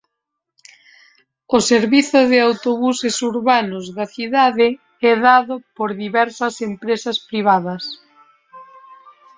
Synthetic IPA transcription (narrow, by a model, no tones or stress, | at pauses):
oseɾβiθʊðɪawt̪oβusesuɾβanʊzðɐθiðaðɪ | ɛðaðʊpoɾðiβɛɾsɐsempɾesɐspɾiβ̞aðɐs